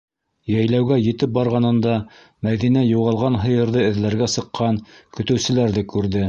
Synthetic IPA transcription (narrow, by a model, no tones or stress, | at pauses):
jæjlæwɡæjɘ̆t̪ɘp̚bɑɾʁɑnɤ̆nd̪ɑ | mæðinæjuʁɑlˠʁɑnɦɤ̆jɤ̆ɾðɤɘ̆ðlæɾɡæsɤ̆qʰːɑnkɵ̆t̪ɵ̆wsɘ̆læɾðɘkʉɾðɘ